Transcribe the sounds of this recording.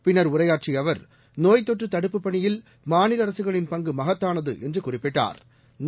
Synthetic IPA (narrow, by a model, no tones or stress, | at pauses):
pɪnːɐɾʊrɐjaːʈ̚t͡ʃiɐʋɐɾ | noːjt̪ːɔʈrɯt̪ɐɽɯpːɯpːɐɳɪjɪl | maːnɪlɐɾɐsɯɣɐɭɪnpɐŋɡɯmɐɣɐt̪ːaːnɐðɯ̰ʔɛndrɯkʊrɪpːɪʈːa̰ːɾ | n